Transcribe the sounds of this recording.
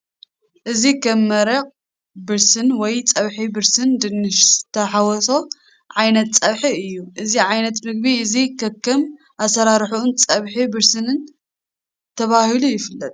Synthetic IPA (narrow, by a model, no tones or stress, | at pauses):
ʔɨzikʰɐmːɐɾɐq | bɨɾsɨnwɔjt͡sʼɐβħibɨɾsɨnd̪ɨnːɨʃzɨt̪ʰːɐħawɔso̞ | ʕajnɐt̪̚t͡sʼɐβħiɨjːuʔɨziʕajnɐt̪mɨɡ̚biɨzikʰɐkːɐm | ʔasɐɾaɾħuunt͡sʼɐβħibɨɾsɨnɨn | t̪ʰɐβahilujɪfɨlːɐt̪ʼ